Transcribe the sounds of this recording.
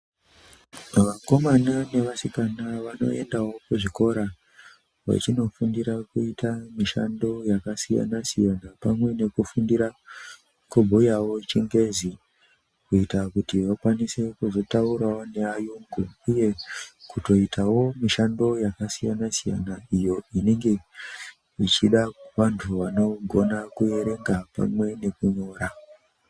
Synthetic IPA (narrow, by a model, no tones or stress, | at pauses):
ʋako̞manane̞ʋasikanaʋano̞̰e̞ndawo̞kuʐiko̞ɾa | ʋa̰t͡ʃino̞fundiɾakuitamiʃando̞jakasija̰nasijanapamwe̞ne̞kufundiɾa | kubʱojawo̞t͡ʃiŋɡe̞zi | kuitakutiʋakwanise̞kuzo̞tauɾaone̞ajuŋɡuuje̞kuto̞itʰawo̞miʃando̞jakasijanasija̰naijo̞ineŋɡe̞ | it͡ʃiɗaʋantʰuʋano̞ɡʱo̞nakuje̞ɾe̞ŋɡapa̰mwe̞ne̞kuɲo̞ːɾa